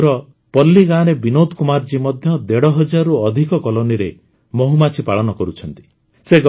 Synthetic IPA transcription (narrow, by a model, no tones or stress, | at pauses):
ɾɔ | pɔlːiɡañebinod̪kumaɾd͡ʒimɔd̪ʱjɔd̪eɽɔɦɔd͡ʒaɾuɔd̪ʱikɔkɔloniɾe | mɔɦumat͡ʃʰipaɭɔnɔkɔɾut͡ʃʰɔnt̪i̥ | seɡ